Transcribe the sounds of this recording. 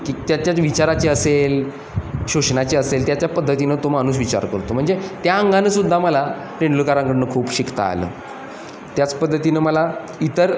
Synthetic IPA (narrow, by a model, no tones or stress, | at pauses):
kiːt̪jat͡ɕjaʋit͡ɕaɾat͡ɕeəsel | ɕuɕnat͡ɕeəselt̪jat͡ɕjapəd̪ʱːət̪inət̪omaɽ̃uːsʋit͡ɕa̰ɾkəɾt̪om̤əɳd͡zet̪jaəŋɡanəsud̪ʱːaməla | pɾeɳɖlukaɾãŋkəɽnəkʰuːpɕikt̪a̰ːlə̰ː | t̪jat͡spəd̪ʱːət̪inəməla | it̪əɾ